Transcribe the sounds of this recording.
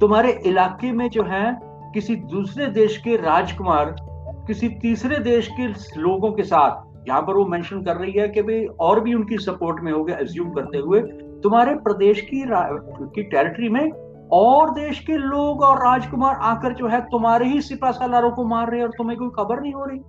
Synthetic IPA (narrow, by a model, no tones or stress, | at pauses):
t̪ʊmɦaːɾeʔɪlaːkemẽd͡ʒoːɦɛ | kɪsid̪uːsɾed̪eːʃkeɾaːd͡ʒkʊmaːɾkɪsit̪iːsɾed̪eːʃkesloːɡõkesaːt̪ʰ | jɐɦãpɐɾʋomɛ̃ːnʃənkɐɾːɐɦiɦɛkeɐbʱeɔːɾbʱiʊnkisɐpoːɾʈmẽɦoːɡeɐzjũːmkɐɾt̪eɦʊe | t̪ʊmɦaːɾepɾɐd̪eːʃkiɾa | kiʈɛːɾɪʈɾimẽ | ɔːɾd̪eːʃkeloːɡɔːɾːaːd͡ʒkʊmaːɾʔaːkəɾd͡ʒoːɦɛt̪ʊmɦaːɾeɦisɪpasalaːɾõkomaːɾːɐɦeɔːɾt̪ʊmẽkoːixɐbəɾnɐɦĩɦoːɾɐiː